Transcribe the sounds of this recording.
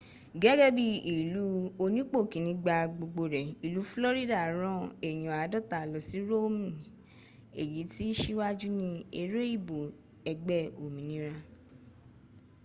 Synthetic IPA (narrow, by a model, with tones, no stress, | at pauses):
ɡɛ˦ɡɛ˦bi˦˨i˨lu˨˦o˧nĩ˦k͡po˦˨kĩ˨˦nĩ˧˦ɡ͡ba˧ɡ͡bo˧ɡ͡bo˧ɾɛ˨i˨lu˨˦flɔ˦ɾi˦da˦˨ɾ̃ɔ̃˦e˨j̃ɔ̃˨a˨˦dɔ˦˨ta˨lɔ˨si˨˦ɾo˦mĩ˨ | e˨ji˨˦ti˦ʃi˦wa˦d͡ʒu˦nĩ˧e˧ɾe˦i˦˨bo˨ | ɛ˧ɡ͡bɛ˦˨o˨mĩ˨nĩ˦ɾa˧